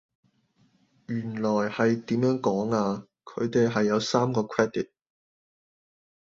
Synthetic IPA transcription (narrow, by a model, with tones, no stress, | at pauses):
jyː˨˩nlɔː˨˩jhɐ˨jt̪iː˨˥mjœː˨˥ŋkɔː˨˥ŋaː˧ | kʰɵ˨˧ɥt̪e˨jɦɐ˨jːɐ˨˧wsaː˥mkɔː˧kʰwɛː˥d̪i˨˩t̚